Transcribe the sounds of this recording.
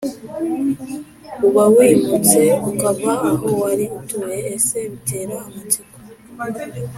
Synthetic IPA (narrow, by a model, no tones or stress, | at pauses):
uβawiːmut͡se̞ukaβaːhowaɾiutuɾeːseβiteːɾaamacika